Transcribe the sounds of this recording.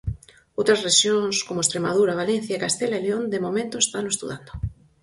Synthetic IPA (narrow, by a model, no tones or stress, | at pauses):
owt̪ɾasreʃjoŋskomoest̪ɾemað̞uɾaβalen̟θjaekast̪elaeleond̪emomẽnt̪oest̪anoest̪ṵðand̪o